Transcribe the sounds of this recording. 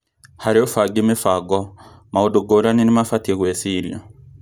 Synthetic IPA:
haɾeofaɡimefaɡɔmaodoɡoɾaninimafatiekwesiljɔ̰

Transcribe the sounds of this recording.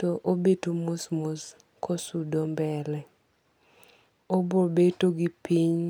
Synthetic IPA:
toʔobetumusmus | kosudombɛlɛ | obobetoɡipiɲ

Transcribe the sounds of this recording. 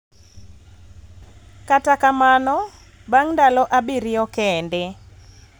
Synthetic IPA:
katakamanɔ | baŋndalɔʔabiɾɪjɔkɛnde

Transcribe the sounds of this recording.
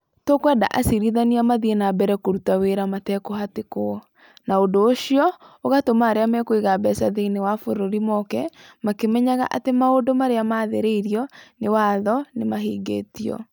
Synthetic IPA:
tokwɛda̰ʔasiɾiðaniamaðienabɛɾɛkoɾutaweɾamatɛkoɦateko | naondoːʃiɔoɣatomaːɾeamɛkweɣabɛsaðeinewafoɾoɾimɔkɛmakemɛɲaɣa̰ʔatemaodomaɾeamaðeɾeiɾiɔnewaðɔnemaɦiːɡḛːtiɔ̰

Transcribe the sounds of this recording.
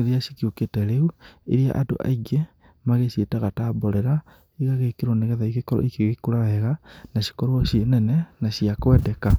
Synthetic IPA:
eðiaʃikioketɛɾeuḛɾja̰ʔado̰ʔa̰iɡe | maɣesetaɣatabɔɾɛɾa | iɣaɣekeɾoneɣɛðaiɣekɔɾɔ̰ʔikeɣekuɾaɛɣanaʃi̥kɔɾwɔʃiɔnɛnɛnaʃiakwɛdɛka

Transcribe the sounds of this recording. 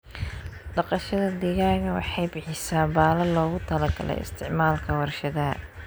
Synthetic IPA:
ɖɑqɑʃɐðɐd̪ɪɣaːɣɐwɑ̰ħɑjbɪħɪsaːbaːlɐlɔːɣʊt̪ʰɐlɐɡɐ̰lɛ̰jɪ̰st̪ʰɪʕmaːlkʰɐwɐrʃɐðɐ

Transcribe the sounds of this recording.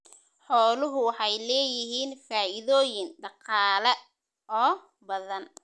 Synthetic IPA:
ħɔːlʊɦʊwɑħɑjlɛːjɪɦiːnfaːʔɪðɔːjɪnɖɑqɑːlɐ | ɔː | bɐðɐn

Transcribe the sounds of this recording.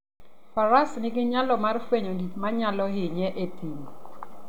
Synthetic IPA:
faɾasnɪɡɪɲalɔmarfweɲoditmaɲalɔɦɪɲɛʔetʰim

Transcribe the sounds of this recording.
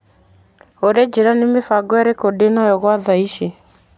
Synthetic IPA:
oɾed͡ʒeɾanemefaɡwɛɾekodenajɔɣwaðaiʃe

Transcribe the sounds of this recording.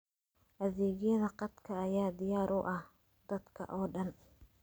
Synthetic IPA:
ʔɐðɛːɣjɐðɐqɑd̪kʰɐːjaːd̪ɪjaːɾʊʔɐh | d̪̥ɐd̪kʰɐ̰ʔɔːɖɐn

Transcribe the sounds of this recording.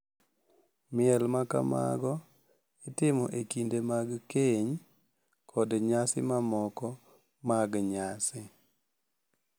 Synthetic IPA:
mɪɛlmaka̰ma̰ɡɔ | ɪtɪmɔʔekindemaɡkeɲ | kʰɔdɲasɪmamɔkɔ | maɡɲasɪ

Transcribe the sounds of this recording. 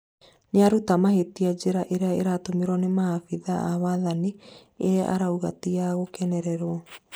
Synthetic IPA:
ɲeaɾutamahetiad͡ʑeɾaʔeɾeaeɾatomeɾɔnemaafiðaaβaðani | eʔa̰ɾauɣa̰tiaɣokɛnɛɾɛɾwɔ

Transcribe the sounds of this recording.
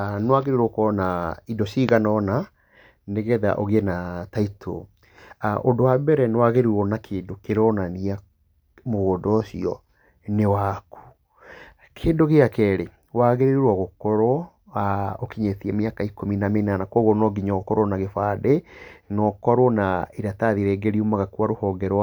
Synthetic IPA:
nwaɣeɾeɾokɔnaidɔɕiɣanɔna | neɣɛða̰ʔoɣɛnataitʰo̰ | ʔondowabɛɾɛnewaɣeɾiɾwɔnakʰeːndokeɾɔnania | moɣodɔʃḭɔ | newaku̥ | kʰeːndoɣeakɛɾe | waɣeɾeɾwɔɣokɔɾwɔ | aokiɲetiɛmeakaikominamenanakɔɣɔnɔɡiɲɔɣkɔɾwɔnaɣefaðenɔkɔɾwɔnaiɾataðiɾɛːɡeɾiumaɣakuaɾohɔːŋɡɛɾw

